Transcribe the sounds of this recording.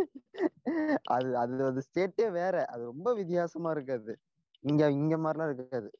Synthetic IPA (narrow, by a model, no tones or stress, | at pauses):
ʔɐ̰ðɯɐðɐðɯseːʈːeːʋeːɾɛʔɐðɯɾɔmbɐʋɪt̪̬ːɪjaːsɐmaːɪɾɯk̬ːɐðɯ | ɪŋɡɐɪŋɡeːmaːɾlãːɪɾɯkːɐðɯ